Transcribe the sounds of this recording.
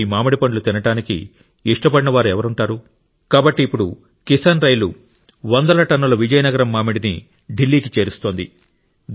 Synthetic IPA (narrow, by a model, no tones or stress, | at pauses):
imaːmɐɽipɐɳɖlut̪inɐʈaːnikḭː | ʂʈɐpɐɽinɐʋaːɾuɛʋɐɾuɳʈaːɾu | kaːbɐʈːiːpːuɽu | kisɐnɾɐjlu | ʋɐnd̪ɐlɐʈɐnːulɐʋid͡ʒɐjɐnɐɡɐɾɐmːaːmiɽinḭ | ɖilːiːkit͡ʃeːɾust̪o̞ːnd̪ḭ